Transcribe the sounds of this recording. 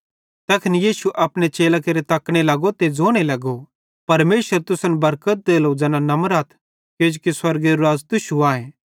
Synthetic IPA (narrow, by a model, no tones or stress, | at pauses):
t̪ɐkʰɪnijiːsuʔɐpɽ̃et͡ʃeːlakeɾet̪ɐkɽ̃elɐɡot̪ed͡zoːɽ̃elɐɡo | pɐɾmeːʃəɾt̪ʊsə̃nbɐɾkət̪̚d̪eːlod͡ʒɛːnanɐmɾaːt̪ʰ | keːd͡ʒkiswɐɾɡeɾuaːzt̪ʊʃuaːẽː